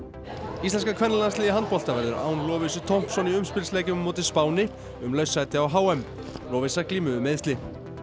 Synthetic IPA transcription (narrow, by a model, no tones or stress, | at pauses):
ist̪ɛnskakʰvɛnːalanslɪːðɪɦant̪̚pɔl̥t̪avɛɾðʏ̰ɾa̰ːwnlɔːvɪsʏt̪ʰɔwm̥psɔniʏmspɪlslɛːcʏmːoːwt̪ɪspaːwnɪ | ʏmlœɥsːajt̪ɪawɦaːwɛm | lɔːvɪsakliːmʏðʏmeːðst̪ɪ